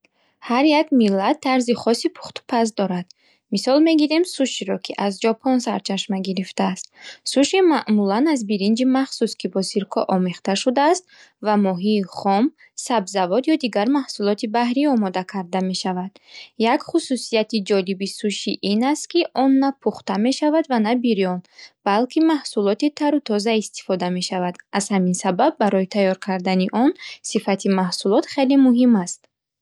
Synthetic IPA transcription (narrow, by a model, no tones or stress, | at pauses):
haɾjakmilːat̪ʰːaɾziχɔsipʰu̥χt̪ʰu̥pʰas̬d̪ɔɾad̪̥ | misɔlme̞ɡiɾe̞msuʃiɾɔkʰiʔazd͡ʒɔpʰɔnsaɾt͡ʃʰaʃmaɡiɾift̪aːst̪suʃimaʔmulanazbiɾind͡ʒimaχsuskʰibɔsiɾkʰɔʔɔmeχt̪aʃud̪aːst̪̚ | vamɔɦiːχɔm | sabzavɔd̪jɔd̪iɡaɾmahsulɔt̪ʰibahɾiɔmɔd̪akʰaɾd̪ame̞ʃavad̪̥ | jakχususijat̪id͡ʒɔlibisuʃiʔinast̪kiʔɔnːapʰuχt̪ame̞ʃavad̪vanabiɾijɔnb̥alkʰimahsulɔt̪it̪ʰaɾut̪ʰɔzaist̪i̥fɔd̪ame̞ʃavad̪azhaminsababːaɾɔit̪ʰajɔɾkʰaɾd̪aniʔɔnsifat̪ʰimahsulɔt̪χe̞limuɦimast̪